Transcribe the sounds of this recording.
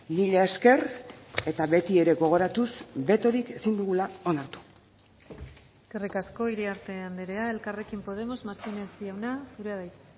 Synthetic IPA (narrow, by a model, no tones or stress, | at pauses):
niʎeeske̞re̞t̪aβe̞t̪ie̞ɾe̞ɣo̞ɣ̞o̞ɾat̪usbe̞t̪o̞ɾike̞sind̪uɣulao̞naɾt̪u̥ | eskerikasko̞iɾiaɾt̪e̞and̪eɾe̞ae̞lkare̞kimpo̞ð̞e̞mo̞zmaɾt̪inesiawnasuɾeaðaj̪